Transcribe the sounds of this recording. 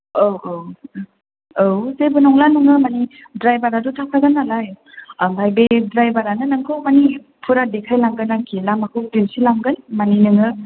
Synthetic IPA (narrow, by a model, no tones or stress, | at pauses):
ow | owzebunɔŋlanɯŋɯmani | dɾajbaɾadutʰakʰaɡanalaj | bajbedɾajbaɾanɯnɯŋkʰɯmani | pʰuɾadekʰajlaŋɡɯnakʰilamakʰɯk̚dimsilaŋɡɯnmaninɯŋɯ